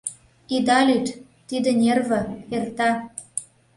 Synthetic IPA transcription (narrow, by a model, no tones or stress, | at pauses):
id̪ɑlʲyt̪ | t̪id̪ĕnʲerβə̆ert̪ɑ